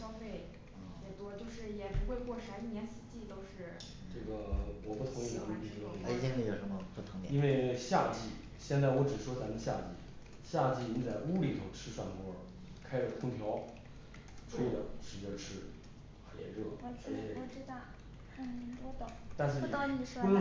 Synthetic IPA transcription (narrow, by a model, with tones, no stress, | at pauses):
ɕjɑ˥ʊfe˥˩ɪ | jɛ˨˩t̪wɔ˥t͡ɕjo˥˧ʊʂɻ̩˥˩jɛ˨˩pu˧˥xwe˥˧ɪkwɔ˥˩ʂa˧˥i˥˩njɛ˧˥nsɹ̩˨˩t͡ɕi˥˩t̪o˥ʊʂɻ̩˥˩ | ʈ͡ʂɤ˥˩ɡə˩wɔ˨˩pu˥˩t̪ʰʊ˧˥ŋi˥˩na˧˥ni˧˩pʰi˧˥ə˧˩˥ɛ˥˧jo˨˩ʊʂə˧˥nmə˧pu˥˩t̪ʰʊ˧˥ŋ˨i˥nwe˥˩ɪɕja˥˧t͡ɕi˥˩ | ɕjɛ˥˧nt͡sa˥˩ɪwɔ˧˥ʈ͡ʂɻ̩˨˩ʂwɔ˥t͡sa˧˥mə˧ɕja̰˥˧t͡ɕḭ˥˩ | ɕja˥˧t͡ɕi˥˩ni˧˥nt͡sa˥˩ɪu˥li˨˩t̪ʰo˥˧ʊʈ͡ʂʰɻ̩˥ʂwa˥˩nkwɔ˥ | kʰa˥ɪʈ͡ʂə˨˩t̪ʰʊ˥ŋt̪ʰjɑ˧˥ʊ | ʈ͡ʂʰu˥˧d̪ə̰˨˩ʂɻ̩˧˩˧ə˥˧˩ʈ͡ʂʰɻ̩˥ | xa˨˩jɛ̰˧˥nɻɤ˥˩˨u˥˩ʈ͡ʂɻ̩˥t̪a˥˩ | t̪wd̪ə˨˩t̪a˥˧nʂ̬ɻ̩˥t̪ni˨˩ʂ